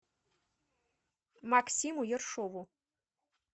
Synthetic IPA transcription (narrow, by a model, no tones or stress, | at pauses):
maksʲimujɛrʂɔʋu